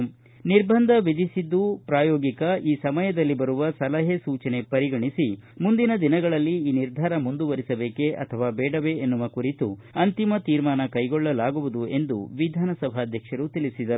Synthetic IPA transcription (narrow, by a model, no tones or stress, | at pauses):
niɾbʱɐnd̪ʱɐʋid̪isid̪ːupɾaːjɔːɡikɐʔiːsɐmɐjɐd̪ɐlːibɐɾuʋɐsɐlɐɦesuːt͡ʃɐne̞pɐɾiɡɐɳisimund̪inɐd̪inɐɡɐɭɐlːiiːniɾd̪ʱaːɾɐmund̪uʋɐɾisɐbe̞ːke̞ʔɐ̰t̪ʰɐʋaːbɛːɽɐʋe̞enːuʋɐkuɾit̪uɐnt̪imɐt̪iːɾmaːnɐkɐjɡɔɭːɐlaːɡuʋud̪ue̞nd̪ṵʋid̪ʱaːnɐsɐbʱaɐd̪ʱjɐkʂɐɾut̪ilisid̪ɐ